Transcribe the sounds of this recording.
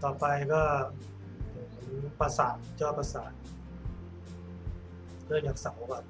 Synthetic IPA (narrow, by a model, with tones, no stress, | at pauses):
t̪ɔː˨˩pa˧jkɔː˥˩ | o˨˩˦mpa˧saː˨˩˦t̪̚t͡ɕɔː˥˩pa˧saː˨˩˦t̪̚ | lɯ˥˩əŋt͡ɕaː˨˩k̚sa˨˩˦wbaː˨˩p̚